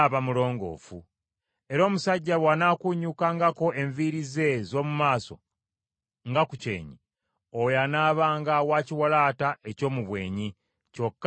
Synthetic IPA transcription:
βamulo̞ːŋɡo̞̰ːfu | e̞ɾo̞ːmusaɟːawanakuɲukaŋɡako̞ʔe̞ɱviɾize̞zo̞ːmumaːso̞̰ | ŋɡakucḛːɲi | ojanaːβaːŋɡawaːciwalaːtaʔe̞co̞ːmuβwe̞̰ːɲi | co̞kː

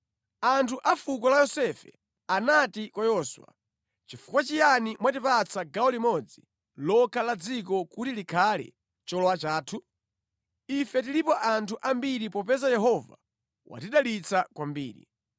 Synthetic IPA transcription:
antʰuʔafukɔlajɔsɛfɛ̰ | anatikwajɔswa̰ | t͡ʃifu̥kwat͡ʃijanimwatipat͡sʰaɡaɔlimɔd͡zi | lɔkʰalad͡zikɔkutilikʰalɛ̰ | t͡ʃɔlɔwat͡ʃaːtʰu | ifɛtilipɔʔantʰuʔambiɾipɔpɛzajɛɦɔva̰ | wʔa̰tiɗalit͡sakwambḭːɾḭ

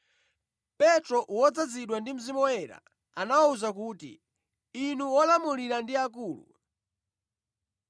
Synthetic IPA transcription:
pɛtɾɔʔwɔd͡zad͡ziɗwandim̩zimɔɛɾa̰ | anawauzak̬uːtḭ | inuwɔlamuliɾandiakuːlṵ

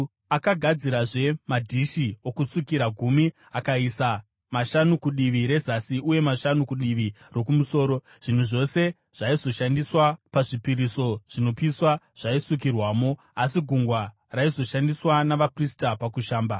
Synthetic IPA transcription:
akaɡʱad͡ziɾaʐe̞madʱiʃio̞kusukiɾaɡʱumi | akaisa | maʃanukuɗiʋiɾe̞zasiʔuje̞maʃanukuɗiʋi | ro̞kumuso̞ːɾo̞ | ʐ̥in̤uʐo̞se̞ | ʐ̥aizo̞ʃandiswapaʐipiɾiso̞ʐ̥ino̞piswaʐ̥aisuk̬irwaːmo̞ | asiɡʱuŋɡwa | raizo̞ʃandiswanaʋapristapakuʃaːmba

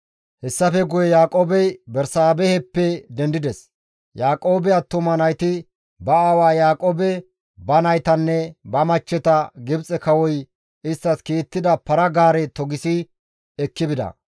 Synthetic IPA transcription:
hɛsːɐfɛɡʊjɛjaːkʼoːbɛjbɛɾsaːbɛhɛpːɛd̪ɛnd̪ɪd̪ɛs | jaːkʼoːbɛɐt̪ːɔmɐnɐjt̪ɪ | bɐawaːjaːkʼoːbɛ | bɐnɐjt̪ɐnːɛbɐmɐt͡ʃːɛt̪ɐɡɪbt͡sʼɛkɐwɔj | ɪst̪ːɐskiːt̪ːɪd̪ɐpɐɾɐɡaːɾɛt̪ɔɡɪsɪ | ɛkːɪbɪd̪ɐ̰

